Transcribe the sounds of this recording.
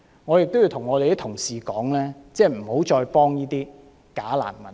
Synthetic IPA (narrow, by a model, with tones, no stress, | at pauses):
ŋɔː˨˧jɪ˨k̚t̪o˥ji˧wt̪ʰʊ˨˩ŋːɔː˨˧e˨jt̪ɪ˥t̪ʰʊ˨˩ŋsiː˨kɔː˨˥ŋlɛː˥t͡sɛː˥˩m̩˨˩ho˨˥wt͡ʃɔː˧jpɔː˥ŋjiː˥t̪iː˥ | kaː˨˥la̰ː˨˩nmɐ˨˦